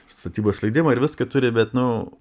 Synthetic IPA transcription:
st̪ɐt̪ʲiːboːsʃʲlʲɐɪd̪ʲɪmɐɪɾʋʲɪskɐt̪ʊɾʲɪbʲɛt̪nʊ

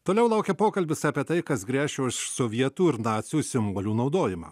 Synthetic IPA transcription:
t̪oːlʲɛʊlˠɐˑʊkʲɛpoːkɐlʲbʲɪsɑːpʲiɛt̪ɐɪkɐsɡɾʲæːʃʲɛɪʃsoːʋʲiɛt̪uːɪɾnɑːt̪sʲɪjuːsʲɪmboːlʲuːnɐʊd̪oːjɪmɑ̰ː

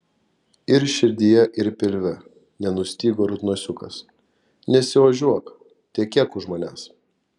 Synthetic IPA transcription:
ɪɾʃʲɪɾʲd̪ʲɪjɛʔɪɾpʲɪlʲʋʲɛ | nʲɛnʊsʲt̪ʲiːɡoːɾʊt̪nuɔsʲʊkɐ̰s | nʲɛsʲɪʋɐʒʲuɔk | t̪ʲiɛkʲiɛkʊʒmoːnʲæːs

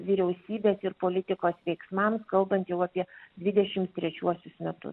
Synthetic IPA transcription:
ʋʲɪɾʲɛʊsʲiːbʲeːsɪɾpoːlʲɪt̪ʲɪkoːsʋʲɛɪksmɑmskɐlˠbɐnt̪jɛʊɑpʲiɛd̪ʲʋʲɪd̪ʲɛʃʲɪmt̪t̪ʲɾʲɛt͡ʃʲuɔsʲʊsmʲɛt̪ʊ̰s

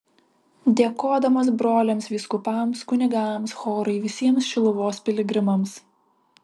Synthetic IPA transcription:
d̪ʲeɛkoːd̪ɐmɐsbɾoːlʲɛmsʋʲiːskʊpɐmskʊnʲɪɡɐmsxoːɾɐɪʋʲɪsʲiɛmsʃʲɪlˠʊʋoːspʲɪlʲɪɡɾʲɪmɐms

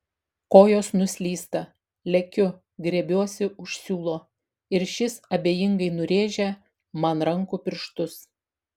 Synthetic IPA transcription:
koːjoːsnʊsʲlʲiːst̪ɐ | lʲɛkʲʊ | ɡɾʲɛbʲuɔsʲɪʊʃʲsʲuːlˠoː | ɪɾʃʲɪsɐbʲeːjɪŋɡɐɪnʊɾʲeːʒʲɛ | mɐnɾɐŋkupʲɪɾʃt̪ʊs

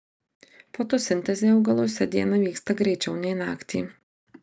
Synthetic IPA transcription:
poːt̪oːsʲɪnʲt̪ʲɛzʲeːɐʊɡɐlˠoːsʲɛd̪ʲiɛnɐʋʲiːkst̪ɐɡɾʲɛɪt͡ʃʲɛʊnʲɛɪnɑːkt̪ʲḭː

